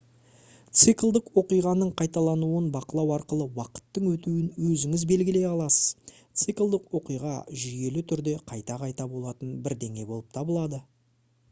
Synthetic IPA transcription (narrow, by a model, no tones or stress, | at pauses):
t̪sɨklˠd̪ɪkqwo̞qijʁɑnəɴqʰɑjt̪ɑlˠɑnuənbɑqəlˠɑwɑɾqəlˠəwɑqə̥t̪ːəɴwɵt̪uwɪnwɵzɪŋɪzbe̞lɡʲɪle̞jɑlˠɑsə̥z̥ | t̪sɨklˠd̪ɪkqwo̞qijʁɑ̰ʒije̞lɪt̪ʰʏɾd̪e̞qʰɑjt̪ɑqʰɑjt̪ɑbo̞lˠɑt̪ənbɪɾd̪e̞ŋe̞bo̞lˠəp̚t̪ʰɑbəlˠɑd̪ə